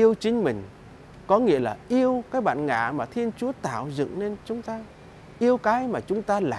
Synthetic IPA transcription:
ʔi˧əwt͡ɕï˨˦ŋ̟mï˨˩ŋ̟ | kɔ˨˦ŋḭ˧˥əlaː˨˩ʔi˧əwkaː˨˦˥jɓa̰ː˧˨nŋa̰ː˧˨maː˨˩t̪ʰi˧ənt͡ɕu˨˦ət̪aː˧˩wzɨ̰˧˨ŋne˧nt͡ɕʊ˨˦ŋ͡mt̪aː˧ | ʔi˧əwkaː˨˦jmaː˨˩t͡ɕʊ˨˦ŋ͡mt̪aː˧la̰ː˨

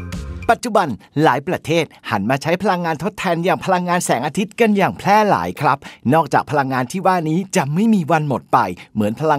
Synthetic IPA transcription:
pa˨˩t̪̚t͡ɕu˨˩ba˧nlaː˩˦jpɾa˧t̪ʰeː˥˩t̪̚ha̰˩˦nmaː˧t͡ɕʰa˦˥jpʰa˧la˧ŋːaː˧nt̪ʰo˦˥t̪ʰːɛː˧njaː˨˩ŋpʰa˧la˧ŋːaː˧nsɛː˩˦ŋʔaː˧t̪ʰi˦˥t̪̚ka˧njaː˨˩ŋpʰlɛː˥˩la̰ː˩˦jkʰɾa˦˥p̚nɔː˥˩k̚t͡ɕaː˨˩k̚pʰa˧la˧ŋːaː˧nt̪ʰiː˥˩waː˥˩niː˦˥t͡ɕa˨˩ma˥˩jmiː˧wa˧nmo˨˩t̪̚pa˧jmɯ˩˦ənpʰa˧la˧

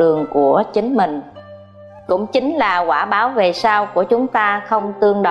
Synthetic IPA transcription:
ɨ˨˩əŋku˧˩ət͡ɕï˨˦ŋ̟mï˨˩ŋ̟ | kʊ̰˧˥ŋ͡mt͡ɕï˨˦ŋ̟laː˨˩kwaː˧˩ɓaː˨˦wve˨˩saː˧wku˧˩ət͡ɕʊ˨˦ŋ͡mt̪aː˧xə˧wŋ͡mt̪ɨ˧əŋɗə˧

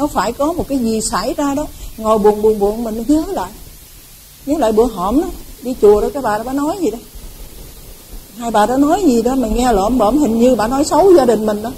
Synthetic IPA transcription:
nɔ˨˦faː˧˩jkɔ˨˦mo˨˩t̚kaː˨˦jzi˨˩saː˧˩˨jzaː˧ɗɔ˨˦ŋo˨˩jɓu˨˩ənɓu˨˩ənɓṵ˨əŋmi˨˩ŋ˨˦ɲə˨˦la̰ː˧˨jʔ | ɲə˨˦˥la̰ː˧˨jɓɨ˧˩˦əɦɔː˧˩mɗɔ˨˦ɗi˧t͡ɕu˨˩əɗɔ˨˦kɔː˨˦ɓaː˨˩ɔ˨˦ɓaː˧˨˦nɔ˨˦jzi˨˩ɗɔ˨˦ | haː˧jɓaː˨˩ɗaː˨˦˥nɔ˨˦jzi˨˩ɗɔ˨˦ma˨˩ŋŋɛ˧lɔ̰əː˧˨˩mɓə̰˧˩mhï˨˩ŋ̟ɲɨ˧ɓa̰ː˧˨nɔ˨˦jsə˨˦wzaː˧ɗï˨˩ŋ̟mï˨˩ŋ̟ɗɔː˨˦

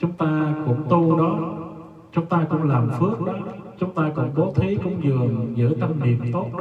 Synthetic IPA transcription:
t͡ɕʊ˨˦ŋ͡mt̪aː˧kʊ̰˧˥ŋ͡mt̪u˧ɗɔ˨˦ | t͡ɕʊ˨˦ŋ͡mt̪aː˧kʊ̰˧˥ŋ͡mlaː˨˩mfɨ˦˥ək̚ɗɔ˨˦t͡ɕʊ˨˦ŋ͡mt̪aː˧kʊ̰˧˥ŋ͡mko˨˦t̪ʰi˨˦jkʊ̰˧˥wŋ͡mzɨ˨˩əŋzɨ̰˧˥t̪a˧mnḭ˨˩əmt̪o˦˥t̚ɗ

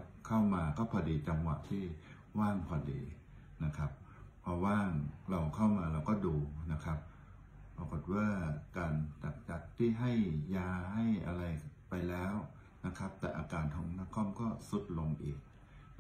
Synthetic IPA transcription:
kʰa˥˩wmaː˧kɔː˥˩pʰɔː˧diː˧t͡ɕa˧mwa̰˨˩ʔt̪ʰiː˥˩ | waː˥˩ŋpʰɔː˧˩dḭː˧ | na˦˥kʰa˦˥p̚ʰ | ɔː˧waː˥˩ŋɾa˧wkʰa˥˩wmaː˧ɾa˧wkɔː˥˩duː˧na˦˥kʰa˦˥p̚ː | a˧ko˨˩t̪̚waː˥˩kaː˧nt͡ɕa˨˩k̚t͡ɕa˨˩k̚t̪ʰiː˥˩ɦa˥˩jjaː˧ha˥˩jʔa˧ɾa˧jpa˧jlɛː˦˥w | na˦˥kʰa˦˥p̚t̪ɛ̰ː˨˩ʔa̰ː˧kaː˧ntʰɔ̰ː˨˦ŋna˦˥kʰɔ˥˩˨mkɔː˥˩su˨˦˥t̪̚lo˧ŋʔiː˨˩k̚

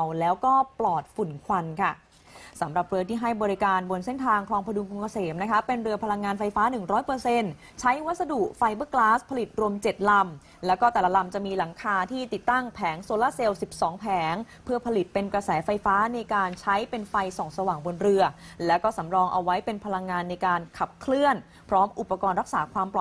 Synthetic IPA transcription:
wlɛː˦˥wkɔː˥˩plɔː˨˩t̪̚fu˨˩nkʰwa˧nkʰa˥˩ | sa˩˦mɾa˨˩p̚ɾɯ˧ɐt̪ʰiː˥˩ɦa˥˩jbɔː˧ɾi˦˥kaː˧nbo˧nse˥˩nt̪ʰaː˧ŋkʰlɔː˧ŋpʰa˧du˧mku˧ŋkʰa˧seː˩˦mna˦˥kʰa˦˥pe˧nɾɯ˧ɐpʰa˧la˧ŋːaː˧nfa˧jfaː˦˥nɯ˨˩ŋɾɔː˦˥jpɤː˧se˧n | t͡ɕʰa˦˥jwa˦˥t̪̚sa˧du˨˩ʔfa˧jbɤː˦˥˩klaː˦˥spʰa˧li˨˩t̪̚ɾu˧əmt͡ɕe˨˩t̪̚la˧m | lɛː˦˥wkɔː˥˩t̪ɛː˨˩la˦˧la˧mt͡ɕa˨˩ʔmiː˧la˩˦ŋkʰaː˧t̪ʰiː˥˩t̪i˨˩t̪ːa˥˩ŋpʰɛː˩˦ŋsoː˧laː˥˩se˧wsi˨˩p̚sɔː˩˦ŋpʰɛː˩˦ŋ | pʰɯ˥˩ɐpʰa˧li˨˩t̪̚pe˧nkɾa˧sɛː˩˦fa˧jfaː˦˥na˧jkaː˧nt͡ɕʰa˦˥jpe˧nfa˧jsɔː˨˩ŋsa˧waː˨˩ŋbo˧nɾɯ˧ɐlɛː˦˥wkɔː˥˩sa˩˦mɾɔː˧ŋʔa̰˧wːa˦˥jpe˧npʰa˧la˧ŋːaː˧nːa˧jkaː˧nkʰa˨˩p̚kʰlɯ˥˩ən | pʰɾɔː˦˥mʔu˨˩pːa˧kɔː˧nɾa˦˥k̚saː˩˦kʰwaː˧mplɔ˨˩

